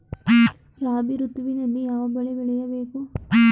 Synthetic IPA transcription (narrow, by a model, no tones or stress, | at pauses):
raːbiɾut̪ːuʋinenːejaːʋɐbɐɭeʋiɭijɐʋeːkːu